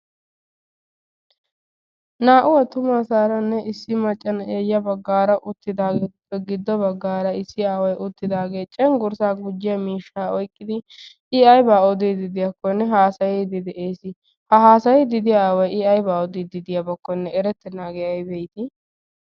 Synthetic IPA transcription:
naːʔʊwɐt̪ʊmaːsaːɾɐnːɛɪsːɪmɐt͡ʃʼːɐneːjːɐbɐɡːaːɾɐʔʊt̪ːɪd̪aːɡeːt̪ʊpːɛɡɪd̪ːɔbɐɡːaːɾɐɪsːɪaːwɐjʔʊt̪ːɪd̪aːɡe̞ːt͡ʃʼɛŋɡʊɾsaːɡʊd͡ʒːɪjɐmiːʃːaːɔjkʼːɪd̪ɪ | ɪɐjbaːɔd̪id̪ɪd̪ɪjɐkːɔnːɛɦaːsɐjɛd̪ɪd̪ɛʔeːsɪ | hɐɦaːsɐjɛd̪ɪd̪ɪjaːwɐjʔɪɐjbaːɔd̪ɪd̪ɪd̪ɪjɐbɐkːɔnːɛɛɾɛt̪ːɛnaːɡɛɐjbɛjt̪ɪ

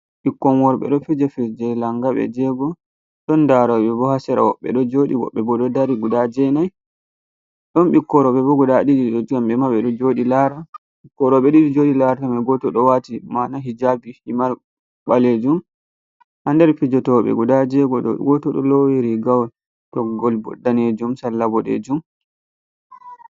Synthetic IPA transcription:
ɓikːɔmɔɾɓɛ̰ɗɔfid͡ʒafid͡ʒɛlaŋɡaɓɛ̰d͡ʒɛɡɔ | ɗɔndaɾɔɓɛbɔhasɛɾa̰wɔ̰ɓːɛ̰ɗɔd͡ʒoːɗiwɔ̰ɓːɛbɔɗɔdaɾiɡudad͡ʒɛnaj | ɗɔnɓikːɔɾɔɓɛbɔɡudaɗid͡ʒiɗɔd͡ʒamɓɛmaɓɛɗɔd͡ʒoɗilaɾa | ɓikːɔɾɔɓɛɗidid͡ʒoːɗilaɾatamaɡɔtɔɗɔwatimanaɦid͡ʒabihimal | ɓaled͡ʒum | handɛɾfid͡ʒɔtɔɓɛ̰ɡudad͡ʒɛɡɔ̰ɡɔtɔɗɔ̰lowiɾiɡawɛ | tɔɡɔlbɔ̰dːaned͡ʒumsalːabɔɗɛ̰d͡ʒum

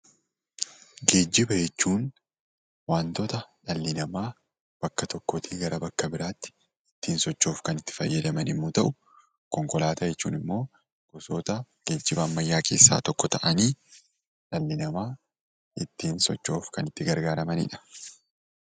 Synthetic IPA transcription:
ɡe̞ːd͡ʒːɪbɐd͡ʒɛt͡ʃːuːn | waːnt̪ɔt̪ɐᶑɐlːɪnɐmaː | b̥ɐkːɐt̪ɔkːot̪ʰiːɡɐɾɐbɐkːɐbɪɾaːt̪ːɪ̥ | ɪt̪ːiːnsɔt͡ʃːoːfkɐnɪt̪ːɪ̥fɐ̰jːɐd̪ɐmɐnɪmːut̪ɐʔʊ | kɔŋkɔlaːt̪ɐd͡ʒɛt͡ʃːṵːnɪmːo̞ː | ɡ̥ɔsot̪ɐɡ̥eːd͡ʒːɪbɐːmːɐjːaːkʰe̞̰ːsːa̰ːt̪ɔkːɔt̪ɐʔɐniː | ᶑɐlːɪnɐmaː | ɪt̪ːiːnsɔ̰t͡ʃːo̞ːfkɐnɪt̪ːɪɡɐɾɡaːɾɐmɐnɪ̰ᶑɐ̥

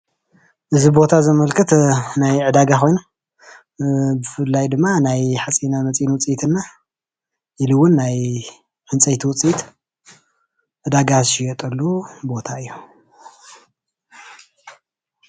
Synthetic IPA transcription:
ʔɨzibo̞t̪ʰazɨmɐlkʰɐt̪najʕɨd̪aɡaxo̞jnu | bɨfɨlːajd̪ɨmːanajħat͡sʼinamɐt͡sʼinwʊt͡sʼijt̪ʰɨnːa | jɪlɨwʊnːaj | ħɨnt͡sʼɐjt̪ʰwʊt͡sʼijt̪ | ʕɨd̪aɡazʃijɛt̪ʼɐlːubo̞t̪ʰaɨjːu̥

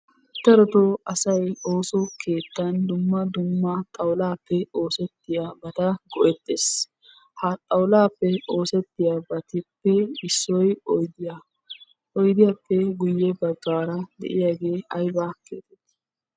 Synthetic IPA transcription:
t̪ːɛɾɔt̪oɐsɐjo̞ːsɔkʰe̞ːt̪ːɐnd̪ʊmːɐd̪ʊmːɐt̪ʼɐwlaːpːɛo̞ːsɛt̪ːɪjabɐt̪ɐɡɔʔɛt̪ːeːs | hɐt̪ʼɐwlaːpːɛo̞ːsɛt̪ːɪjabɐt̪ɪpːɛɪsːɔjɔjd̪ɪja | ʔɔjd̪ɪjɐpːɛɡʊjːɛbɐɡːaːɾɐd̪ɛ̰ʔɪjaɡe̞ːʔɐjbaːkḛːt̪ɛt̪ːɐ̥

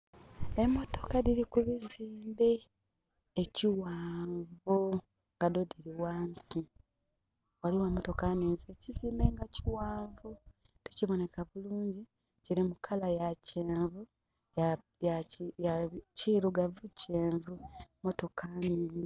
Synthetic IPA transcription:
e̞mːo̞to̞kadiɾikuβiziːmbe̞ː | ciwaːɱvu | ŋɡadodiɾiwaːnsi | waliwamo̞to̞kaniːnzieciziːmbeŋɡaciwaːɱvu | diciβo̞nekaβuluːɲɟi | ciɾimukʰalajaceːɱvu | ja | jajaciɾuɡavuceːɱvumo̞to̞kʰanini

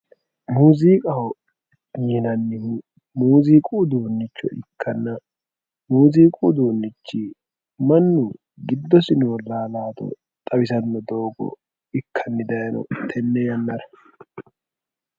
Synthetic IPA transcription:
muːziːkʼɐhɔ | jɪnɐnːɪhu | muːziːkʼud̪oːnːɪt͡ʃːɔ̰ʔɪ̰kːɐnːɐ | muːziːkʼud̪oːnːɪt͡ʃːi | mɐnːu | ɡɪd̪ːɔsɪnoːlaːlaːt̪ɔ̰ | t̪ʼɐbɪsɐnːɔd̪o̞ːɡɔ̰ | ɪkʰːɐnːɪd̪ɐjɐnɔ̰t̪ʰɛnːɛjɐnːɐɾɐ

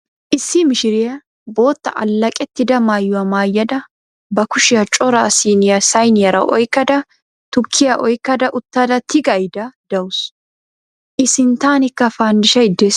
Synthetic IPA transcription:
ʔɪsːɪmɪʃɪɾɪjɐ | bo̞ːt̪ːɐʔɐ̰lːɐkʼɛt̪ːɪd̪ɐmaːjːʊɐmaːjːɐd̪ɐ | bɐkʊʃɪjɐt͡ʃʼɔɾaːsiːnɪjɐsɐjnɪjɐɾɐ̰ʔɔjkːɐd̪ɐ | t̪ʊkʰːɪjɐʔɔjkːɐd̪ɐʔʊt̪ːɐd̪ɐt̪ʰɪɡɐjd̪ɐd̪̥ɐʊs | ʔɪsɪnt̪aːnɪkːɐfaːnd̪ɪʃɐɪd̪ːeːs

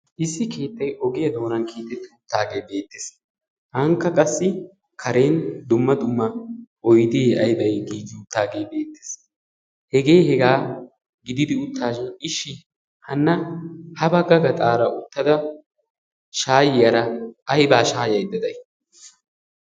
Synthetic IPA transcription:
ʔɪsːɪke̞ːt̪ːɐjɔɡɪjɐd̪o̞ːnɐnkʰiːt̪ːɛt̪ːɪʊt̪ːaːɡe̞ːbe̞ːt̪ːɪs | hɐŋkːɐkʼɐsːɪ | kʰɐɾe̞ːnd̪ʊmːɐd̪ʊmːɐʔɔjd̪ɪːɐjbɐjɡiːɡ̪ɪʊt̪ːaːɡe̞ːbe̞ːt̪ːɪ̥s | hɛɡe̞ːhɛɡaː | ɡɪd̪ɪd̪ɪʊt̪ʰːaːʃnɪʃːɪ | hɐnːɐhɐbɐɡɐɡɐt̪ʼaːɾɐʔʊt̪ːɐd̪ɐ | ʃaːjɪjɐɾɐʔɐjbaːʃaːjɐjd̪ɐd̪ɐj

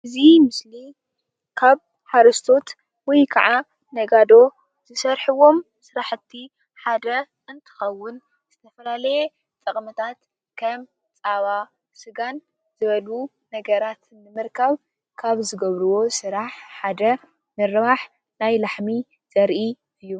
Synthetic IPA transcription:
ʔɨzimɨsli | kʰaβ | ħaɾɐst̪ʰo̞t̪ | wɔjkʰɐʕa | nɐɡad̪o̞ | z̥ɨsɐɾħɨwo̞m | sɨɾaħɨt̪ʰːi | ħad̪ɐ | ɨnt̪ʰɨ̥xɐwːʊn | z̥ɨt̪ʰɐfɐlalɐje | t̪ʼɐχʼmɐt̪ʰat̪ | kʰɐm | t͡sʼaβa | sɨɡan | zɨβɐlu | nɐɡɐɾat̪nɨmɨɾkʰɐβ | kʰaβzɨɡɐβɾɨwo̞sɨɾaħħad̪ɐ | mɨɾβaħ | najlaħmi | z̥ɐɾʔi | ɨjːu

